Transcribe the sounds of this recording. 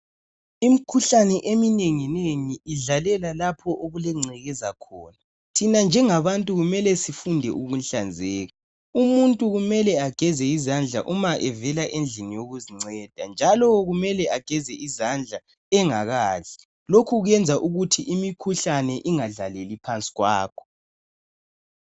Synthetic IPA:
imikʰuɬanɛʔemineŋineŋiʔiɮalɛlalapʰɔʔoɣulɛŋ͡ǀɛɣɛzakʰɔːna | tʰinand͡ʒʱɛŋaβantʼuɣumɛlɛsifundʱɛ̰ʔuɣunɬand͡zʱɛːɣa | umuntʼuɣumɛlɛaɡ̥ʱɛzɛizand͡ɮʱa̰ʔumaʔɛvɛlaʔend͡ɮʱinijoɣuziŋ͡ǀɛd̥ʱa̰nd͡ʒʱalɔɣumɛlɛʔaɡ̥ʱɛzɛizand͡ɮʱa | ɛŋaɣaːɮɛ | lokʰuɣɛnd͡zʱaʔuɣutʰiʔimikʰuɬanɛʔiŋaɮalelipʰant͡sʼi̥ɣwa̰ːkʰɔ̥

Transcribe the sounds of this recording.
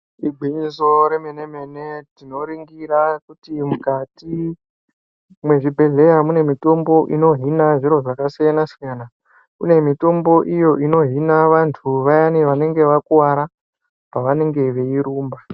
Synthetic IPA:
iɡ͡bʱinzo̞ɾemene̞me̞ne̞tino̞ɾiŋɡirakutimukati | mwe̞ʐibʱe̞ɮe̞jamune̞mito̞mbo̞ʔino̞ɦinaʐiɾo̞ʐakasijanasijana | kune̞mito̞mbo̞ʔijo̞ʔino̞ɦinaʋantʰuʋajaniʋane̞ŋɡe̞ʋakuwaɾa | paʋane̞ŋɡe̞ʋe̞iɾuːmba

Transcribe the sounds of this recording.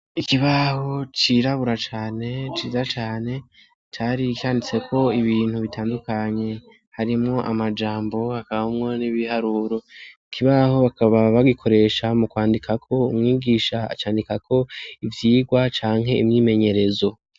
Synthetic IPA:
ikiβaho̞t͡ʃiɾaβuɾat͡ʃaːne̞t͡ʃiːzat͡ʃaːne̞ | t͡ʃaɾikaːndit͡se̞kʰo̞iβiːnhuβitʰaːndukaɲe̞ | haɾimŋo̞ʔamad͡ʒaːmbo̞hakaβahumŋo̞niβihaɾuːɾo̞ikʰiβaho̞βakaβaβaɡikʰo̞ɾe̞ʃamukwaːndikʰakʰo̞umŋiːɡiːʃaa̰t͡ʃaːndikakʰo̞ivjiːɡwat͡ʃaːŋɦe̞imɲiːme̞ɲe̞ɾe̞zo̞

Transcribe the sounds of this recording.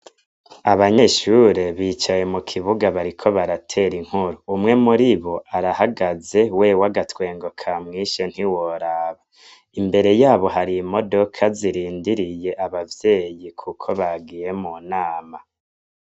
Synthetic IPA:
aβaɲe̞ʃuɾe̞βiːt͡ʃaje̞mukʰiβuɡaβaɾikʰo̞βaɾatʰe̞ɾiŋ̥huɾuːmŋe̞muɾiβo̞ʔaɾahaɡaze̞we̞waɡatwe̞ːŋɡo̞kʰamŋiʃen̥hiwo̞ɾaːβa | imbe̞ɾe̞jaːβo̞ɦaɾiːmo̞do̞kʰaziɾiːndiɾije̞ʔaβavje̞ːjikʰukʰo̞βaɡije̞muːnaːma

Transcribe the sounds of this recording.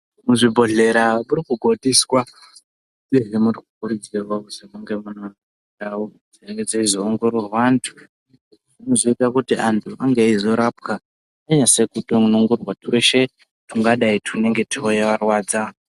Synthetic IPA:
muʐibʱo̞ɮe̞ɾamuɾikuɡʱo̞diswa | eɦemurikukuɾud͡zirwauzimuŋɡe̞muno | nao | d͡zieked͡zaizoːŋɡo̞ɾwawaːntʰu̥ | ʐinozoitakutiantʰuʔaŋɡeizo̞ɾap̚ka | aɲase̞kuɗounoŋɡorwatweʃe̞ | tʰuŋɡaɗaitʰune̞ŋɡe̞tʰiojaʋarwaːd͡za

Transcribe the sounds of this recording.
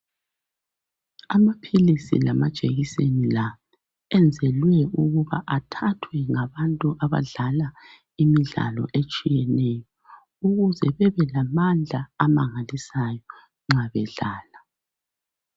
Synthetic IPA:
amapʰilisḭlamad̥ʒ̥ʱʼeɣisenila | ɛnd͡zʱɛlwɛuɣuβa̰ʔatʰatʰwɛŋaβantʼuʔaβa̰ɮala | imiɮa̰lɔ̰ʔet͡ʃʼijɛnɛjɔ | uɣuzɛβɛβɛlamand͡ɮʱaamaŋalisajɔ | ŋ͡ǁaβɛɮaːla

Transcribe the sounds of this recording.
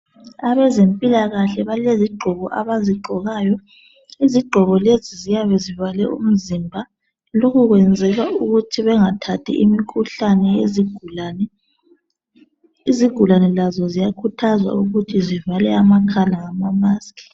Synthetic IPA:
aβɛzempʼilaɣaɬɛβaleziɡ͡ǃʱɔβɔʔa̰βaziɡ͡ǃʱɔɣajɔ | iziɡ͡ǃʱɔɣɔlezizijaβɛzivalɛṵm̩zimbʱa | loɣuɣwɛnd͡zʱɛɣauɣutʰiβɛŋatʰatʰḭʔimikʰuɬanɛeziɡnɛ | iziɡ̥ʱulanɛlazɔzijakʰutʰazwa̰uɣutʰizivalɛamakʰalaŋamamaːskʰʼi̥

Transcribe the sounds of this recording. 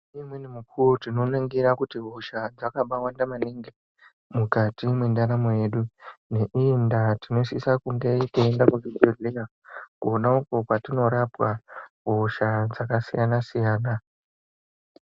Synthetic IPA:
imwenemukʰuwotino̞naŋɡiɾakutiɦo̞ʃad͡zakaɓawandamaniŋɡi | mukatimwendaɾamoje̞ːɗune̞ʔiindatino̞sisakuŋɡeiteːndakuviɡoɮija | kuonaukopatino̞ɾapwaɦoʃad͡zakasijanasijaːna

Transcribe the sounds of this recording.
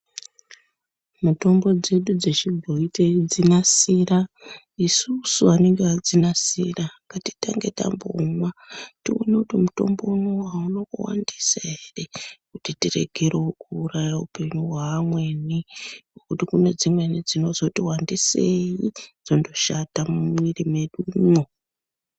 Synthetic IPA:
muto̞mbo̞d͡ze̞ɗud͡ze̞t͡ʃibʱoiteid͡zinasira | isusuane̞ŋɡead͡zinasiraŋɡati̥taŋɡe̞ta̰mbo̰mationekutimuto̞̰mbo̞unowaunokuwa̰ndisaere̞kutitire̞̰ɡʱe̞ɾokuːrajaupe̞ɲuɦwaːmwe̞niwokutikuned͡zimwe̞nid͡zino̞zo̞tiwandisejid͡zo̞ndo̞ʃatamumwirime̞ɗuno

